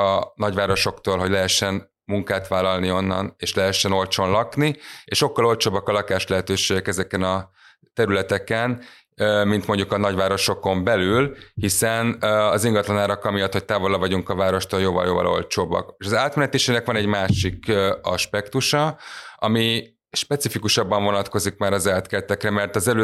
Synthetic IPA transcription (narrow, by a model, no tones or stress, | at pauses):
ɒnɒɟʋaːɾo̞ʃo̞kt̪oːlɦo̞ɟlɛɦɛʃːɛn | muŋkaːt̪ʋaːlːɒlnio̞nːɒ̰neːʃlɛɦɛʃːɛno̞lt͡ʃo̞nlɒknieːʃokːɒlo̞lt͡ʃoːbɒkɒlɒkaːʃlɛɦɛt̪øːʃeːɡɛkɛzɛkɛnɒ | t̪ɛɾylɛt̪ɛkɛn | mint̪mo̞ɲɟukɒnɒɟvaːɾo̞ʃo̞ko̞mbɛlylhisɛnɒziŋɡɒt̪lɒnaːɾɒkɒmijɒt̪ho̞c̚t̪aːvo̞lɒvɒɟuŋkɒvaːɾo̞ʃt̪oːljoːvɒ̰ljoːvɒ̰lʔo̞̰lt͡ʃoːbɒ̰keʃɒzaːt̪mɛnɛt̪eːʃɛnɛkʋɒnɛɟmaːʃikɒʃpɛkt̪uʃɒɒmi | ʃpɛt̪sifikuʃɒbːɒɱvo̞nɒt̪ko̞zikmaːɾɒzɛːlt̪kɛt̪ɛkrɛmɛrt̪ɒzɛløː